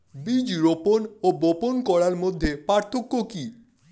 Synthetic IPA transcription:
bid͡ʑɾoponoboponkɔɽaɾmod̪ʱːepaɾt̪ʰːokːoki

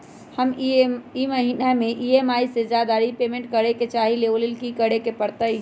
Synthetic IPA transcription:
həmiməɦinameʔiemaised͡ʒad̪aɾipemẽɳʈkəɾeket͡ʃaɦileʋlelkikəɽekepəɾt̪əi

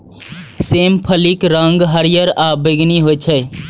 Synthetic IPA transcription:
seːmpʰəlikɾəŋɡɦəɾjəɾaːbɪɡniɦot͡ʃʰɛ

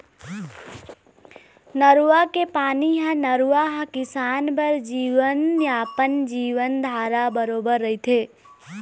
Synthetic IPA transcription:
nəɾuakepaniɦə̃nəɾuaɦə̃kisanbəɾd͡ʒiʋənjapənd͡ʒiʋənd̪ʱaɾabəɾobəɾːəjt̪ʰe

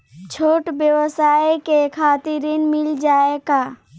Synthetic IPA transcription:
t͡ʃʰoːʈbjəwəsaːikekʰaːt̪ɪɾinmɪld͡ʒaːeɡaː

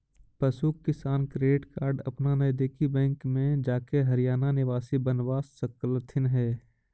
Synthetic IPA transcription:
pəsuːkːɪsaːnkɾeːɖɪʈkaːɾɖɐ̰pnanəjd̪eːkʰibɛ̃ːŋkmẽd͡ʒaːkeɦɐɾijaːnanɪʋaːsibənʋaːsəklət̪ʰɪnɦɛː

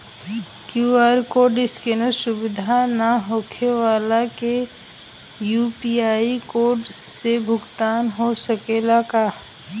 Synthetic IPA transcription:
kjuːaːɾkoːɖɪskenəsʊbɪd̪ʱanaɦoːkʰeʋaːlake | juːpiaːikoːɾɖsebʱʊɡt̪aːnɦosəkeːlaka

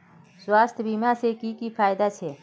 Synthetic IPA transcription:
swaːst̪ʰjbimãsekikipʰaːjd̪at͡ʃʰe

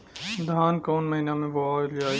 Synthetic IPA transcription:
d̪ʱaːnkoːnməɦinamẽʋoaːld͡ʒaː

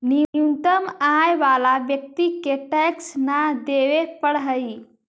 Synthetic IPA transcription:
niunt̪əmajʋalabjək̚t̪ikːeʈeksnad̪eʋepəɽɦəji

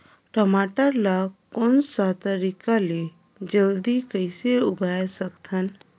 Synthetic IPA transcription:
ʈəmaːʈəɾlakonsat̪əɾikale | d͡ʒəld̪ikəjseubʱajesəkt̪ʰən

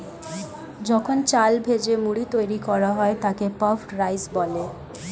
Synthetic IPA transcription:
d͡ʑɔkʰont͡ɕalbʱed͡ʑemuɽit̪ojɾikɔɾaɦɔet̪akepɔfʈɾajsbɔle

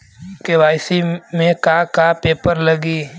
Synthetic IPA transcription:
keʋaːɪsimẽkakapeːpəɾlɐɡiː

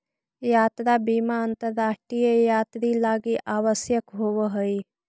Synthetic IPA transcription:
jaːt̪ɾabiːmaənt̪əɾːaːʂʈiejaːt̪ɾilaːɡiʔaːʋəsjəkɦoʋəɦəi

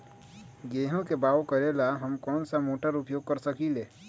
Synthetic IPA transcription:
ɡeːɦõkebaːʋokəɾelaɦɐmkɔːnsamoːʈəɾʊpjoːɡ̚kəɾsəkileː

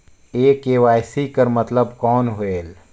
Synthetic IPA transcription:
eːkeːʋaːjsikəɾmət̪ləbkɔːnɦoeːl

